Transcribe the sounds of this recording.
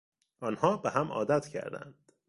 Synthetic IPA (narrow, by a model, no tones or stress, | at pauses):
ʔɒːnhɒːbeɦæmʔɒ̰ːd̪æt̪ʰcʰæ̰ɾd̪æ̰nd̪̥